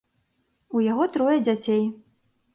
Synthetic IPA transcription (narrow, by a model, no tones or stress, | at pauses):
ujaɣɔt̪ɾɔjɐd͡zʲat͡sʲej